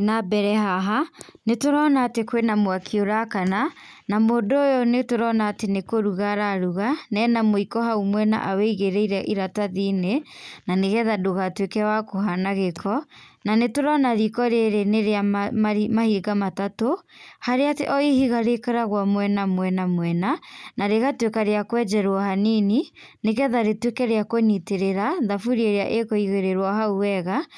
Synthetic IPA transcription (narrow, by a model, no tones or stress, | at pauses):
nabɛɾɛɦaɦanetoɾɔnaːtekwenamwakʰioɾakana | namoːdoːjɔnetoɾɔnaːtenekoɾuɣaɾaɾuɣanɛnamoikɔɦaumwɛna̰ʔaweiɣeɾeiɾɛʔiɾataðinenaneɣɛðadoɣatwekɛwakohanaɣekʰɔ | nanetoɾɔnaðikɔɾeɾeneɾeammahiɡamatatohaɾeatḛʔɔihiɣaɾekaɾaɣwamwɛnamwɛnamwɛnanaɾeɣatwekaɾeakwɛd͡ʒɛɾwɔhanini | neɣɛðaɾetwekɛɾeakoɲiteɾeɾaðafuɾieɾea̰ʔekoiɣeɾeɾwaɦauwɛɣa